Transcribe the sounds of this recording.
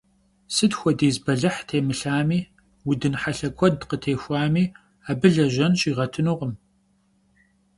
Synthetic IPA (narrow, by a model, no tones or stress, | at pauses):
sɨdxʷɔdeːzbɐɮɨħtʰeːmɨɬaːmiː | wʊdɨnħaɬɐkʷʰɔdqətʰeːxʷaːmiː | aːbɨɮɐʒɐnɕiːʁɐtʰɨnuːʁəm